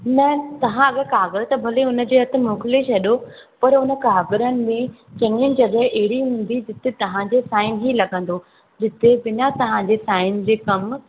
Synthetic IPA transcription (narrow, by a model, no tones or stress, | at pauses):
nɐt̪ɐʋ̤ãɐɠkaːɡəɾət̪ɐbʱɐleʊnə̆d͡ʑeːɦɐt̪ʰɪ̆moːkleʃɐɗopɐɾʊnə̆kaːɡɪɾənɪ̆mẽ | t͡ɕɐ̃ɲənɪ̆d͡ʑɐɠəɦʔɛɦɪɽiɦũːn̆d̪id͡ʑɪt̪et̪ɐʋ̤ãd͡ʑeːsaːɪnɦiːlɐɡə̃n̆d̪o | d͡ʑɪt̪ebɪnat̪ɐʋ̤ãɲd͡ʑesaːɪn̆d͡ʑeːkɐm